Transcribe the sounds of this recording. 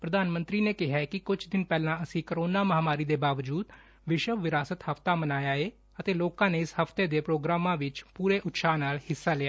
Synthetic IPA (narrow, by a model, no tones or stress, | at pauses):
pɾəd̪aːnmə̃nt̪ɾiːneːkɪɦaːkɪkʊd͡ʒʰd̪ɪnpɛːlãːəsĩːkəɾoːnaːməɦaːmaːɾiːd̪eːbaːʋd͡ʒuːd̪ | ʋɪʃəʋʋɪɾaːsət̪həft̪aːmənaːjaːeː | ət̪eːloːkãːneːɪshəft̪eːd̪eːpɾoːɡɾaːmãːʋɪt͡ʃpuːɾeːʔʊt̪saːnaːlhɪsːaːlɪaː